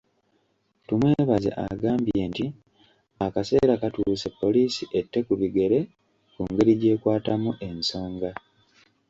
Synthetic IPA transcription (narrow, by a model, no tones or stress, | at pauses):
tumwe̞βazḛʔa̰ɡaːmbje̞ːnti | akase̞̰ːɾakatuːse̞pːo̞liːsiʔetːe̞kuβiɡe̞ɾe̞ | kuŋɡe̞ɾiɟe̞ːkwaːtamuʔe̞nso̞ːŋɡa